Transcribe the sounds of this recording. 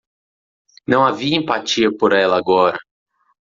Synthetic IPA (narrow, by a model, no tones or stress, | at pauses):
nɐ̃w̃aviɐẽmpat͡ʃiɐpoɾɛlɐaɡɔɾɐ